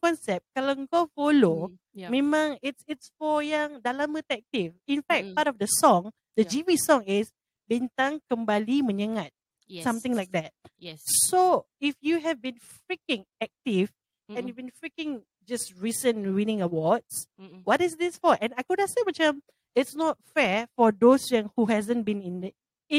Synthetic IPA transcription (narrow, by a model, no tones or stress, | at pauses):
kɔ̃nsɛp̚t̚kalãŋɡofolo | mẽmãŋɪtsɪtsfɔjãŋdalamət̪ɛk̚tivĩnfɛk̚patɔfdəsɔ̃ŋ | dəd͡ʒivisɔ̃ŋɪs | bɛ̃nt̪ãŋkə̃mbaliməɲəŋat̚ | sãmt̪ɪ̃ŋlajk̚d̪ɛt̚so | ifjuɦɛvbĩnfɹikɪ̃ŋɛk̚tiv | ɛ̃njubĩnfɹikɪ̃ŋ | d͡ʒasɹisə̃nwinɪ̃ŋəwɔdswɔtɪsdɪsfɔʔɛ̃najkudasemat͡ʃəm | ɪtsnɔt̚fɛfɔd̪osjãŋhuɦɛzə̃nbĩnĩn